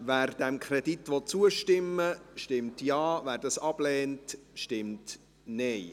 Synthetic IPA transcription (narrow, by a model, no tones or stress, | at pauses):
væːrd̥ɛmkʰrɛditʋɔt͡suəʃtɪmːəʃtɪmtjɑːvæːɾdɑsɑb̥lɛːntʃtɪmt | nɛɪ